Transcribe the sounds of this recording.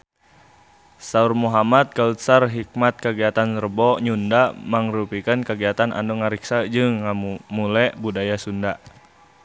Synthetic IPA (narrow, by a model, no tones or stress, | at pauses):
saurmuɦamat̪̚kaut̪sarɦik̚mat̪̚kəɡiat̪anrbɔɲundamaŋɾupikankəɡiat̪anʔa̰ndɔŋaɾiksad͡ʒɨŋːamulɛʔbudajasunda